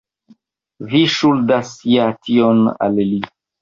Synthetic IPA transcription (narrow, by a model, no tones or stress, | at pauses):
viʃuldasjatʰiona̰lli